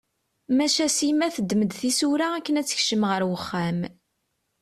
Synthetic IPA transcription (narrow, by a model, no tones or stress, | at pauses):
mæʃæsimæθəd̪ːməd̪θisuɾaækːənæt͡sːə̥çʃəmʁəɾwəχːæm